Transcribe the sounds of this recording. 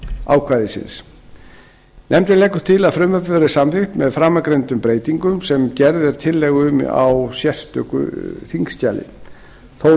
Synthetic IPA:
a̰ːwkʰvajðɪsɪ̰ns | nʔɛmt̪ɪleːjkʏ̥ɾ̥t̪ʰɪlaðfɾʏmœpvɛɾɪsamfɪxt̪mɛðfɾamːakɾejnt̪ʏmpɾeːjt̪iŋkʏmsɛmcɛɾðɛɾ̥t̪ʰɪlːɛɣʏma̰wsjɛst̪ʏkʏ̰θiŋscaːlɪ̰ | θo

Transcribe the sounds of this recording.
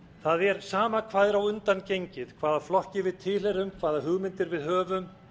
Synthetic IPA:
θaðɛɾ̥saːmakʰvaːðɪɾawʏnt̪ancejɲcɪðkʰvaːðaflɔhcɪvɪðt̪ʰɪlhɛɾʏmkʰv̥aːðaɦʏɣmɪnt̪ɪɾvɪðɦœːvʏm

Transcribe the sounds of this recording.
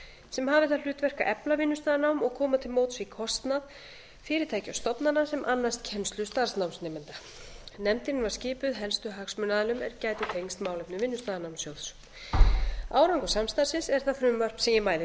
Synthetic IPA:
sɛmhaːvɪθalʏːt̪vɛr̥ka̰ʔɛplavɪnːʏst̪aːðnawmɔɣkʰɔːmat̪ʰɪlmowt̪svikʰɔst̪nað | fɪːɾɪɾt̪ʰaːjcawst̪ɔpnanːasɛmʔanːast̪cʰɛnst̪lʏst̪aɾ̥snawmsnɛːmɛnt̪a | nɛmt̪ɪnvascɪːpʏðɦɛlst̪ʏɦaksmʏnaðalʏmɛ̰ɾcaːjt̪ɪt̪ʰejŋst̪maːwlɛjpnʏvɪnːʏst̪aːðanawmsjoːwðs | aːwɾaŋkʏsamst̪ar̥sɪnsɛɾ̥θafɾʏmvar̥psɛjɪmaːjðɪ

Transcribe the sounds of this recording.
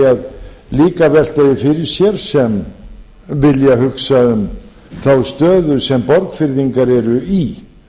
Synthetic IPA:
aðliːkavɛl̥t̪ajɪfɪɾɪɾ̥sjɛɾ̥sɛm | vɪljaɦʏksaʏm | θawst̪œːðʏsɛmpɔɾkfɪɾðiŋkaɾɛɾʏi

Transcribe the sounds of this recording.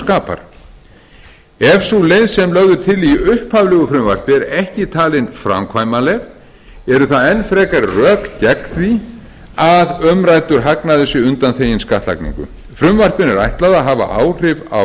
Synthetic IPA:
kaːpa̰ɾ̥ | ɛfsulejðsɛmlœɣðʏt̪ʰɪliʏhphavlɛːɣʏfɾʏmvar̥pɪɾɛhcɪt̪ʰaːlɪnfɾa̰mkʰvaːjmalɛɣ | ɛɾʏθaðɛnːfɾɛːkaɾrœːkcɛkθvi | aðœmɾaːjt̪ʏɾɦaknaðʏsjɛʏnt̪anθeːjɪnskaht̪la̰knḭŋkʏ̰ | fɾʏmvar̥pɪnɪɾajht̪laðaɦaːva̰ʔa̰ːwr̥ɪva̰w

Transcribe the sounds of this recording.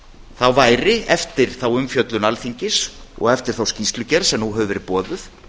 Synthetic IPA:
θawvaːjɾɪɛft̪ɪɾ̥θawʏmfjœt̪lʏnalfiɲcɪsɔ̰ɣɛft̪ɪɾ̥θawscist̪lʏcɛɾsɛmnuɦœːʏvɛɾɪpɔːðʏθ

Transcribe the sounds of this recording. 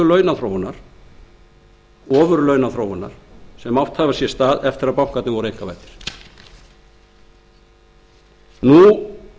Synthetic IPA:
ʏlœːɥnaθɾoːwʏnːaɾ̥ | ɔːvʏɾlœɥnaθɾoːwʏnːa̰ɾ̥sɛmawht̪havasjɛst̪aːðɛft̪ɪɾaðpawŋ̥kat̪nɪvɔɾejŋ̥kava̰ːjt̪ɪ̥ɾ̥ | nu

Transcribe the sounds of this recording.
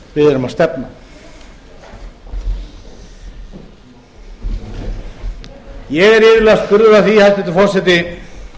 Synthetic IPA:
vɪðɪɾamast̪ɛpna | jɛɣɛɾɪːvɪɾlɛɣaspʏɾðʏɾaðθihajlt̪ɛt̪ɪfɔr̥sɛt̪̬ɪ

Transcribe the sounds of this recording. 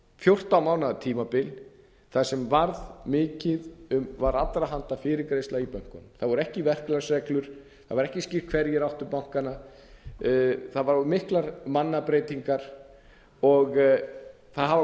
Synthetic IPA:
fjowr̥t̪awmaːwnaðt̪ʰiːmapɪl | θaðsɛmvaɾðmɪːcɪðʏmvaɾat̪ɾaɦan̥t̪afɪːɾɪkɾejst̪laipœŋ̥kʏnmθaðvɔɾɛhcɪvɛr̥klaɾsɛklʏɾ̥ | θaðvaɾɛhcɪscɪ̥kʰvɛɾjɪɾawht̪ʏpawŋ̥kana | θaðvaɾɔɾmɪhklaɾmanːapɾejt̪iŋkaɾ̥ | ɔɣ | θaðɦa

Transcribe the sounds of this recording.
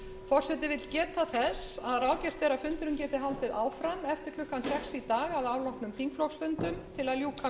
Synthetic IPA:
fɔr̥sɛt̪ɪvɪt̪lcɛːt̪aθɛsaðraːwcɛr̥t̪θɛːɾafʏnt̪ʏɾʏmcɛːt̪ɪɦalt̪ɪðaːwfɾamɛft̪ɪɾ̥kʰlʏhkːansɛksit̪aːɣaðaːwlɔwhknʏmfiŋkflɔwxsfʏnt̪ʏmt̪ʰɪlaðljuːka

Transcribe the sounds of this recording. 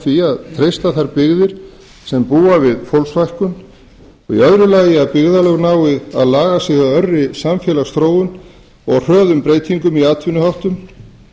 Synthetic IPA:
fiaðt̪ʰɾejst̪aθaɾpɪɣðɪɾ̥ | sɛmpuːavɪðfowlsvajhkʏn | ɔɣiœðɾʏlaːjɪaðpɪɣðalœɣnaːwɪða̰ðlaːɣasjɛɣaœrːɪsamfjɛːlast̪ɾoːwʏn | ɔɣr̥œːðʏmpɾeːjt̪ʰiŋkʏmiaːt̪ʰɪnʏhawht̪ʏm

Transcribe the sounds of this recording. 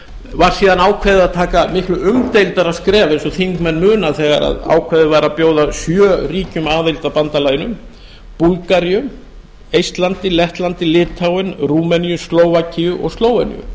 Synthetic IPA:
vaɾ̥siːðanaːwkʰvɛðɪaðt̪ʰaːkamɪhklʏʔʏmt̪ejlt̪aɾaðskɾɛːvaejnsɔθiŋkmɛnːmʏːnaθɛːɣa̰ɾa̰ða̰ːwkʰvɛːðʏvaːɾapjoːwðasjœːriːcʏmaːðejlt̪apant̪alaːjnʏm | pulkaɾijʏ | ejst̪lant̪ɪlɛht̪lant̪ɪlɪːt̪ʰːawɪnruːmɛnjʏst̪loːwvacijʏʔɔ̰ɣst̪loːwɛnḭjʏ̰

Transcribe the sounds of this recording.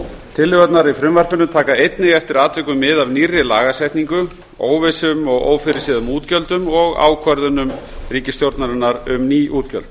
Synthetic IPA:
t̪ʰɪlːʏɣœt̪naɾifɾʏmvar̥pʏnʏt̪ʰaːkaejt̪nɪɣɛft̪ɪɾaːt̪vɛkʏmːɪðavnirːɪlaːɣasɛht̪niŋkʏ | o̰ːwvɪsʏmɔɣo̰ːwfɪɾɪ̥siːðʏmuːt̪cœlt̪ʏmɔɣa̰ːwkʰvœɾðʏnʏm | riːcɪst̪jowɾt̪naɾɪnːaɾʏmniːʔuːt̪cœ̰lt̪

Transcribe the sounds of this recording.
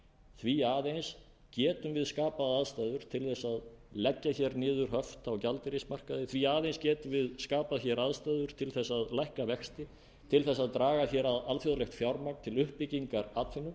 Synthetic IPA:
θviaːðejns | cɛːt̪ʏmvɪðskaːpaðaðst̪ajðʏɾ̥t̪ʰɪlθɛsːaðlɛcːaçɛɾnɪːðʏɾ̥ɦœft̪awcalt̪ɪɾismar̥kaðɪθʰviaːðejnscɛːt̪ʏvɪðskaːpaçɛɾaðst̪ajðʏɾ̥t̪ʰɪlθɛsːaðlajhkavɛxst̪ɪ | t̪ʰɪlθɛsːaðt̪ɾaːɣaçɛɾaðalfjɔðalɛxt̪fjawɾmak̪t̪ʰɪlʏhpːɪciŋkaɾat̪fɪnːʏ

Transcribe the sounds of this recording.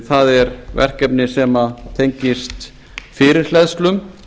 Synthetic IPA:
θaðɛɾvɛ̰r̥kɛpnɪsɛmat̪ʰejɲcɪst̪ | fɪːɾɪɾ̥lɛðst̪lʏm

